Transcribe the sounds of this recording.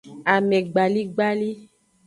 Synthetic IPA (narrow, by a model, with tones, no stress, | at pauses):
a˨mɛ̃˨ɡ͡ba˨li˦ɡ͡ba˦li˦